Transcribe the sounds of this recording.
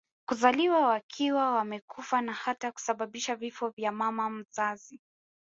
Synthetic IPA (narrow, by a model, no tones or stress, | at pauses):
kuzaliwawakʰiwawamɛkufanahataku̥saɓaɓiʃavifɔvjamamam̩zazi